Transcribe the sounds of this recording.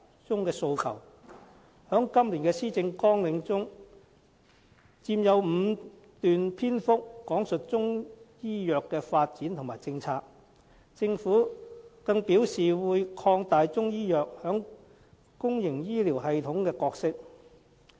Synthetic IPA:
t͡sʊ˥ŋkɛː˧so˧wkʰɐ̰˨˩w | hœː˨˥ŋkɐ˥mliː˨˩nkɛː˧siː˥t͡sɪ˧ŋkɔː˥ŋlɪ˨˧ŋt͡sʊ˥ŋ | t͡siː˧mjɐ˨˧wm̩˨˧ | t̪yː˨npʰiː˥nfʊ˥k̚ːɔː˨˥ŋsɵ˨t̚t͡sʊ˥ŋjiː˥jœː˨kːɛː˧faː˧t̚t͡siː˨˥nt̪ʰʊ˨˩ŋmaː˨˩jt͡sɪ˧ŋt͡sʰaː˧k̚ | t͡sɪ˧ŋfuː˨˥kɐ˧ŋpiː˨˥wsiː˨wuː˨˧jkʰɔː˧ŋt̪aː˨jt͡sʊ˥ŋjiː˥jœː˨k̚hœː˨˥ŋ | kʊ˥ŋjɪ˨˩ŋjiː˥liː˨˩wɦɐ˨˧jt̪ʰʊ˨˥ŋkɛː˧kɔː˧k̚sɪ˥k̚

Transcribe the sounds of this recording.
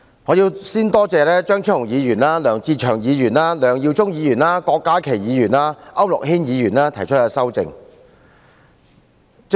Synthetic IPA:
hɔ˨˧ji˧wsiː˥nt̪ɔː˥t͡sɛː˨˧lɛː˥t͡ʃœː˥ŋt͡ʃʰːŋjiː˨˧jyː˨˩naː˥lœː˨˩ŋt͡siː˧t͡ʃʰœː˨˩ŋjiː˨˧jyː˨˩naː˥lœː˨˩ŋjiː˧wt͡sʊ˥ŋjiː˨˧jyː˨˩naː˥kɔː˧kːaː˨˥kʰe˨˩jjiː˨˧jyː˨˩naː˥ʔɐ˥wlʊ̰˨k̚ɦiː˥njiː˨˧jyː˨˩nlaː˥t̪ʰjt͡ʃʰɵ˥t̚ɛ˧sɐ˥wt͡sɪ̰˨˧ŋ

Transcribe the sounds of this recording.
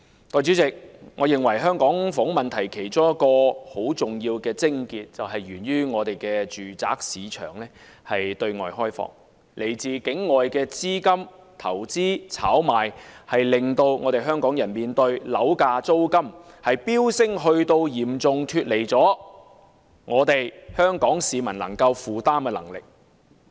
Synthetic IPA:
t̪ɔː˧jt͡ʃyː˨˥t͡sɪ˨k̚ŋɔː˨˧jɪ˨˩ŋwɐ˨˩jɦœː˥ŋkɔː˨˥ŋfɔː˨˥ŋmɐ˨nt̪ʰɐ˨˩jkʰe˨˩jt͡sʊ˥ŋjɐ˥t̚kːɔː˧ho˨˥wt͡sʊ˨ŋjiː˧wkɛː˧t͡sɪ˥ŋkiː˧t̚t͡sɐ˨wɦɐ˨jɥyː˨˩nɥyː˥ŋɔː˨˧t̪e˨jkɛː˧t͡ʃyː˨t͡sa̰ː˨˥k̚siː˨˥t͡ʃʰœ̰ː˨˩ŋlɛː˥ | hɐ˨jt̪ɵ˧ɥŋɔ̰ː˨jɦɔː˥jfɔ̰ː˨ŋ̚ | lʔe˨˩jt͡siː˨kɪ˨˥ŋːɔː˨jkɛː˧t͡siː˥kɐ˥m | t̪ʰɐ˨˩wt͡siː˥t͡sʰaː˨˥wmaː˨˩jhɐ˨jlɪ˨ŋt̪o˧wŋɔː˨˧ɾe˨jɦœː˥ŋkɔː˨˥ŋjɐ˨˩nmiː˨nt̪ɵ˧ɥlɐ˨˥wkaː˧t͡so˥wkɐ˥m | hɐ˨jpiː˥wsɪ˥ŋɦɵ˧ɥt̪o˧wjiː˨˩mt͡sʊ˨ŋt̪ʰyː˧t̚le˨˩jt͡sɔː˨˥ | ŋɔː˨˧t̪e˨jhœː˥ŋkɔː˨˥ŋsiː˨˧mɐ˨˩nlɐ˨˩ŋkɐ˧wfuː˨t̪aː˥mkɛː˧lɐ̰˨˩ŋlɪ̰˨k̚

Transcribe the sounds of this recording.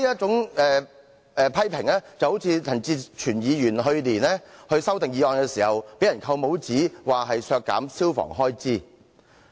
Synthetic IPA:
iː˥jɐ˥t̚t͡sʊ˨˥ŋɛː˨˧ | pʰɐ˥jpʰɪ˨˩ŋlɛː˥t͡sɐ˨who˨˥wt͡sʰiː˨˧t͡sʰɐ˨˩ŋt͡siː˧t͡ʃʰyː˨˩njiː˨˧jyː˨˩nɦɵ˧ɥliː˨˩nlɛː˥hɵ˧ɥsɐ˥wt̪ɪ˨ŋjiː˨˧ɔː˨˧nkɛː˧siː˨˩hɐ˨wpe˨˥jɐ˨˩nkʰɐ˧wmo˨˥wt͡siː˨˥waː˨ɦɐ˨jsœː˧kːa̰ː˨˥msiː˥wfɔ̰ː˨˩ŋɦɔː˥jt͡siː˥

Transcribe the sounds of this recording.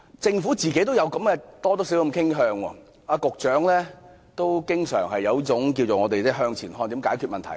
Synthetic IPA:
t͡sɪ˧ŋfu˨˥t͡siː˨ke˨˥jt̪o˥wjɐ˨˧wkɐ˨˥mkɛ˧t̪ɔː˥t̪oː˥si˨˥wkɐ˧mkʰɪ˥ŋɦœː˧ŋwɔ̰ː˧ | aː˧kʊ˨k̚t͡ʃœː˨˥ŋlɛː˥ | t̪o˥wkɪ˥ŋsœ̰ː˨˩ŋhɐ˨jɐ˨˧wi˥t͡sʊ˨˥ŋk̬i˧wo˨˩ŋɔː˨˧t̪e˨jt͡sɛː˥˩ɦœː˧ŋt͡sʰiː˨˩nhɔː˧ŋt̪iː˨˥mkaː˨˥jkʰyː˨˧t̚mɐ˨nt̪ʰɐ˨˩

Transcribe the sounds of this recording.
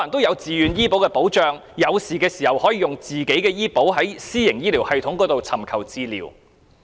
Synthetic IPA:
nt̪o˥wjɐ˨˧wt͡siː˨jyː˨˧njiː˥po˨˥wkɛː˧po˨˥wt͡ʃœː˨˧ŋjɐ˨˧wsiː˨˩kɛː˧siː˨˩hɐ˨whɔː˨˥jiː˧jʊ˨˩ŋt͡siː˨ke˨˥jkɛː˧jiː˥po˨˥wɦɐ˨˥jsiː˥jɪ˨˩ŋjiː˥liː˨˩whɐ˨jt̪ʰʊ˨˥ŋkɔː˨˧˥t̪o˨wt͡sʰɐ˨˩mkʰɐ˨˩wt͡siː˧lḭː˨˩w

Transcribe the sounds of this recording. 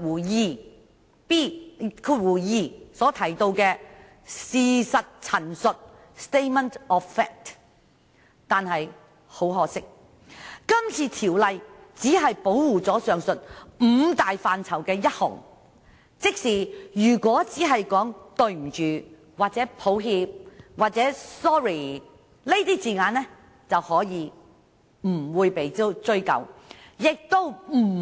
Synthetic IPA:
wuː˨˩jiː˧ | piː˥kʰuː˧t̚wuː˨˩jiː˧sɔː˨˥t̪ʰɐ˨˩jt̪o˧wkɛː˧ | siː˨sɐ˨t̚t͡sʰɐ˨˩nsɵ˨t̚ | st̪e˥mɐ˥ntɔː˨ffɛː˥k̚t | t̪aː˨nhɐ˨j | ho˨˥wɦɔː˨sɪ˥k̚ | kɐ˥mt͡sʰiː˧t̪ʰiː˨˩wlɐ˨jt͡siː˨˥ɦɐ˨jpo˨˥wːuː˨t͡sɔː˨˥sœː˨˧ŋsɵ˨t̚m̩ː˨˧t̪aː˨jfaː˧nt͡sʰɐ˨˩wkɛː˧jɐ˥t̚hʊ̰˨˩ŋ | t͡sɪ˥k̚siː˨˩jyː˨˩kʷɔː˨˥t͡siː˨˥ɦɐ˨jkɔː˨˥ŋt̪ɵ˧ɥm̩˨˩t͡ʃyː˨˩ | waː˨t̚t͡sɛː˨˥pʰo˨˥wɦiː˧p̚waː˨t̚t͡sɛː˨˥sɔː˥ɹiː˨˩ | le˥jt̪iː˥t͡siː˨ŋaː˨˧nlɛː˥ | t͡sɐ˨whɔː˨˥jiː˨˧ | m̩˨˩wuː˨˧jpe˨˧jt͡sɵ˥ɥkɐ̰˨˩wjɪ˨k̚t̪o˥wm̩˨˩

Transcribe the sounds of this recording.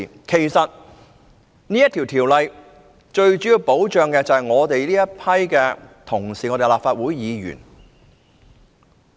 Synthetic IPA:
kʰe˨˩jsɐ˨t̚ | niː˥jɐ˥t̪ʰi˨˩wt̪ʰi˨˩wlɐ˨˧j | t͡ʃɵ˧ɥt͡ʃy˨˥jiː˧wpo˨˥wt͡ʃœː˨ŋkɛː˧t͡sɐ˨hɐ˨jŋɔː˨˧t̪e˨jliː˥jɐ˥t̚pʰɐ˥jkɛː˧t̪ʰʊ˨˩ŋsiː˨˩ŋɔ˨˧t̪e˨˧laː˨pfaː˧t̚wuː˨˥jːiː˨˧jy̰ː˨˩n

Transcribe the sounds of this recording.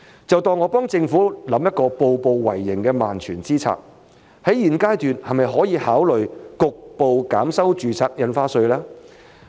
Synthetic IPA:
t͡sɐ˨wt̪ɔː˨˧ŋɔː˨˧pɔː˥ŋt͡sɪ˧ŋfuː˨˥lɐ˨˥mjɐ˥t̚kɔː˧po˨wpo˨wwɐ˨˩jːɪ˨˩ŋkɛː˧maː˨nt͡ʃʰyː˨˩nt͡siː˥t͡sʰa̰ː˨˩k̚ | hɐ˨˥jiː˨˩nkaː˥jt̪yː˨nhɐ˨jmɐ˨jɦɔː˨˥jiː˨˧haː˨˥wlɵ˨ɥkʊ˨k̚po˨wkaː˨˥msɐ˥wt͡ʃyː˨t͡sʰaː˧k̚jɐ˨˧nfaː˥sɵ˧ɥlɛː˥

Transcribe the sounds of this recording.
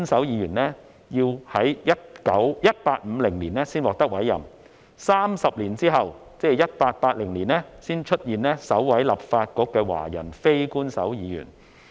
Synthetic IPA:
nsɐ˨˥wjiː˨˧jyː˨˩nlɛː˥ | jiː˧whɐ˨˥jjɐ˥t̚kɐ˨˥wjɐ˥t̚paː˧t̚m̩˨˧lɪ˨˩ŋliː˨˩nɛː˥siː˥nwɔː˨˩k̚t̪ɐ˥k̚wɐ˨˥jːɐ̰˨˩m | saː˥msɐ˨p̚liː˨˩nt͡siː˥ɦɐ˨w | t͡sɛː˥˧jɐ˥t̚paː˧t̚paː˧t̚lɪ˨˩ŋliː˨˩nlɛː˥siː˥nt͡ʃʰɵ˥t̚jiː˨nɛː˥sɐ˨˥wwɐ˨˥jlɐ˨p̚faː˧t̚kɔː˨˥kːɛː˧wa̰ː˨˩jɐ̰˨˩nfe˥jkuː˥nsɐ˨˥wjiː˨˧jy̰ː˨˩n

